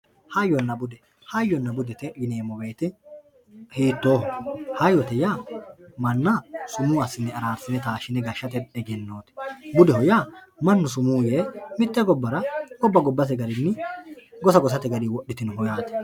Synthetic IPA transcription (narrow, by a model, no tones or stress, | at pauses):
hɐjːɔnːɐbʊd̪ɛ | hɐjːɔnːɐbʊd̪ɛt̪ɛʔɪneːmːɔbe̞ːt̪ɪ | hiːt̪ːo̞ːhɔhɐjɔt̪ɛjaːmɐnːasʊmuːɐsːɪnːɛɐɾaːɾsɪnɛt̪aːʃɪnɛɡɐʃːɐt̪ɛᶑɛɡɛnːoːt̪ɛ̥bʊd̪ɛhɔjaːmɐnːʊsʊmuːjeːmɪt̪ːɛɡɔbːɐɾɐɡ̥ɔbːɐɡɔbːɐt̪̬ɛɡɐɾɪnːɪɡɔsɐɡɔs̬ɐt̪ɛɡɐɾiːwɔɗːɪt̪ɪnɦɔjaːt̪ɛ̥